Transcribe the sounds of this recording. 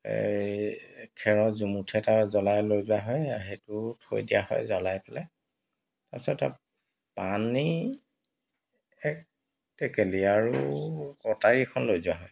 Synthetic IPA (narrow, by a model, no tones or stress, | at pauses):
kʰɛɹɔzumutʰɛtazɔlajlojzʊwaɦɔjaɦetʊtʰo̰jdijahɔ̰jzɔlajpɛlɛ | tasɔta̰ | pani | ɛk̚ | tɛkeliaɹukɔtaɹikʰɔnlojzʊwaɦɔj